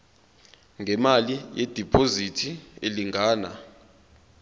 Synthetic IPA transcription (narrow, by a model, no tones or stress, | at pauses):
ŋɡʱɛmalijɛd̥ʱipʼozitʰieliŋʱaːna̰